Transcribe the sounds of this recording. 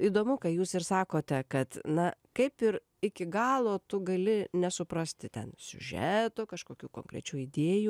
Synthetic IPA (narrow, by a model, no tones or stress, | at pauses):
id̪oːmʊkɐɪjuːsɪrsɑːkoːt̪ʲɛkɐt̪nɐkɐɪpɪr | ɪkʲɪɡɑːlˠoːt̪ʊɡɐlʲɪnʲɛsʊpɾɐsʲt̪ʲɪt̪ʲɛ̰nsʲʊ̰ʒʲɛt̪ʊkɐʃkoːkʲuːko̰ːŋkɾʲɛ̰t͡ʃʲuːɪd̪ʲeːjuː